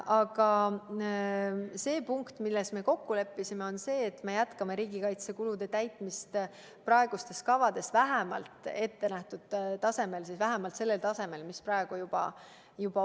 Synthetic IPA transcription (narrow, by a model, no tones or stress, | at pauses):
ʔɑɡ̥ɑ | se̞ːpuŋkt̪milːe̞sme̞ko̞kːule̞pːisime̞o̞nse̞ːt̪ːme̞jæt̪kɑme̞ɾiːɡ̥ikɑjt̪se̞kulud̪̥et̪æjt̪ˑmist̪ | prɑe̞ɡ̥ust̪e̞skɑvɑd̪e̞svæɦæmɑ̰lt̪ˑe̞t̪ːe̞næht̪ud̪̥t̪ɑse̞me̞lsisvæɦæmɑlt̪se̞lːe̞lt̪ɑse̞me̞lmisprɑe̞ɡ̥ujub̥ɑ̰ | jub̥ɑ